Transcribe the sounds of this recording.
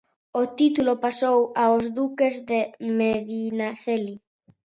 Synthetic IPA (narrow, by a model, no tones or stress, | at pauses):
ot̪it̪ulopasowaozd̪ukezðemeðinaθeli